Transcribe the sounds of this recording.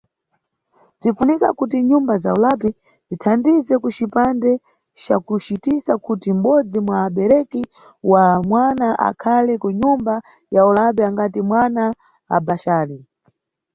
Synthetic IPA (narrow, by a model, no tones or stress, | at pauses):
b͡ʐinfunika̰kutiɲumbazaulapɛ | zitʰandizɛkut͡ʃipandɛ | t͡ʃakut͡ʃitisakutim̩ɓɔd͡zimwaːɓɛɾɛki | wamwanaʔa̰kʰalɛkuɲumba | jaulap̬ɛaŋɡatimwana | a̰baʃaːɾi